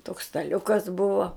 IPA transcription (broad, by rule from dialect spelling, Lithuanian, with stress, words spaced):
toːks stɐˈlʲʊkɐs ˈbʊʋoː